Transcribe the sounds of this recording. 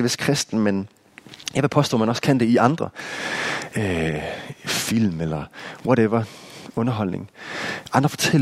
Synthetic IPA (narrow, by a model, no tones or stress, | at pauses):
ʋeskʰʁɛsd̥n̩men | jæʋepʰɒ̽sd̥ɔ̰ːmænɒ̽skʰænd̥e̝iɑ̈nd̥ʁɐ | ø | fil̰melɐwɒɾeʋɐɔ̽nɐɦɒ̽l̰ne̝ŋʔɑ̈nd̥ʁɐfɒ̽t͡sʰel